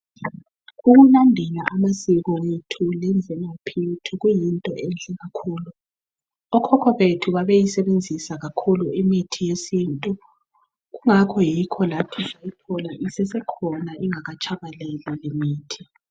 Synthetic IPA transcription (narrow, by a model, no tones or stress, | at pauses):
ɣuɣunandʱɛlaʔamasiɣɔwetʰulɛnvʱɛnapʰitʰuɣujintʼɔʔɛnd͡ɮʱɛɣakʰuːlu | ɔkʰɔkʰɔβetʰuβaβejisɛβend͡zʱisaɣakʰuluimitʰijesintʼu | ɣuŋakʰɔjikʰɔlatʰisajipʰɔlaʔisɛsɛkʰɔnaʔiŋaɣat͡ʃʰʼaβalɛlɛlemiːtʰi̥